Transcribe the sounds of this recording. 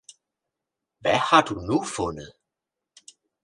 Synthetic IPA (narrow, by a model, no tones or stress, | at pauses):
ʋæhɑ̈d̥unufɔnəð̩ˠ